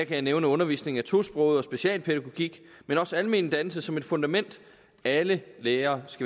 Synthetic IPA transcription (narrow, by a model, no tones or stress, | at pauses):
æɐkʰæjɪneʊnəɔ̽nɐʋḭːsne̝ŋæt͡sʰo̝̰sb̥ʁɔ̽ʊðˠɒ̽sb̥e̝ɕiɛ̰ːlpʰeðæɡ̥o̝ɡ̥iɡ̥ | menɒ̽sælme̝ːnəd̥ænsəsɒ̽me̝d̥fɔ̽nd̥æmen̰d̥ | æləleːɐːsɡ̥æ